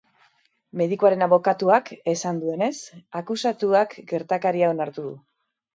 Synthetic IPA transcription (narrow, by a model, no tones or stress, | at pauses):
me̞ðikuaɾe̞naβo̞kat̪uakesand̪ue̞ne̞sakusat̪uakɡe̞ɾt̪akaɾiao̞naɾt̪uðṵ